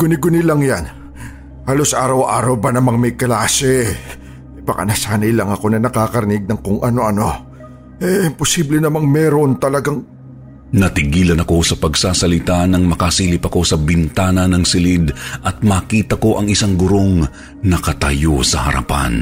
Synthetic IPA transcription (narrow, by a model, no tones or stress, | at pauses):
ɡ̥ʊnɪɡʊnɪlɐŋjan | haːlo̞sʔaːɾɐwʔaːɾɐwbɐnɐmaŋmɐjklaːsɛ | ɪpɐkɐ̰nɐsaːnɐjlɐŋɐko̞nɐnɐkakɐɾɪnɪɡ̚nɐŋkʊŋʔɐno̞ʔɐno̞ | ɛposiːblɛnɐmaŋmɛɾont̪ɐlɐɡaŋ | nɐt̪ɪɡiːlɐnɐko̞sɐpɐɡsaːsɐlɪt̪anɐŋmɐkasiːlɪpɐko̞sɐbɪnt̪aːnɐnɐŋsɪlid̪ʔɐt̪̚maːkiːt̪ɐko̞ʔɐŋɪsaŋɡʊɾo̞ŋ | nɐkɐt̪ɐjo̞sɐ̰hɐ̰ɾɐ̰pa̰n